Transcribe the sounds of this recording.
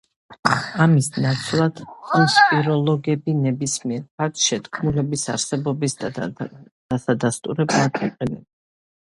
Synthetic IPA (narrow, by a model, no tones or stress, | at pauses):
amisnat̪sʰlˠad̪ʼispʼiɾɔlˠɔɡɛbinɛbismiɛɾpʰak̚t̪ʃɛt̪kʰmulɛbisaɾsɛbɔbisd̪ | d̪̥asad̪ast̪ʼṵɾɛblˠad̪ʰiqʼɛnɛb